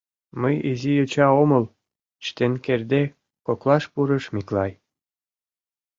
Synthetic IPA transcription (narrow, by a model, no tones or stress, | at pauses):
məjizijøt͡ɕɑomɤl | t͡ɕt̪enkerd̪e | koklɑʃpuɾə̆ʃmiklɑj